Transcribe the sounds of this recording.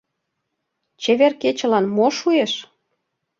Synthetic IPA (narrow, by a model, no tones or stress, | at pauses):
t͡ɕeβerket͡ɕə̆lɑnmoʃueʃ